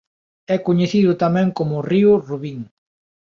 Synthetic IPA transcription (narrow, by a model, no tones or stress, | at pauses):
ɛkoɲeθiðʊt̪amɛ̃ŋkomʊriʊruβiŋ